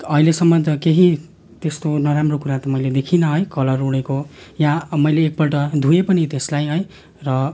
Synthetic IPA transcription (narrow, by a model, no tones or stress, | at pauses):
ʌilesʌmːʌt̪ʌkeɦi | t̪est̪onʌɾamrokuɾat̪ʌmʌjled̪ekʰinʌɦʌjkʌlʌruɽekojãmʌjleːk̚pʌʈʌd̪ʱuepʌnit̪eslajɦʌj | rʌ